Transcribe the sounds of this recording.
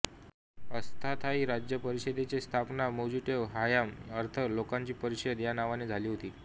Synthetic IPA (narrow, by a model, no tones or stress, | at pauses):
əst̪ʰat̪ʰaiːɾad͡ʑjəpəɾiɕed̪et͡ɕest̪ʰapnamod͡ʑiʈeʋɦajaməɾt̪ʰəlokaɲt͡ɕiːpəɾiɕəəd̪janaʋaned͡zʱaliːɦot̪iː